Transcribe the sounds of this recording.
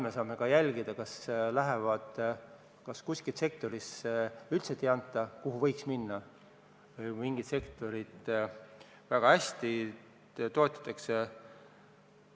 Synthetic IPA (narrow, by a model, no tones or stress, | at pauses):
mesɑːme̞kɑjælʲɡ̥id̪̥ɑkɑslæɦevɑd̪̥ | kɑskuskilt̪se̞k̚t̪o̞ɾisylt̪set̪ːˑiɑnt̪ːˑɑkuɦuvɤ̞jksminːɑ | jmiŋɡ̥it̪se̞kt̪o̞ɾid̪̥ | væɡ̥ɑæsʲt̪i | t̪o̞ːt̪ːˑɑ̥t̪ˑːɑkse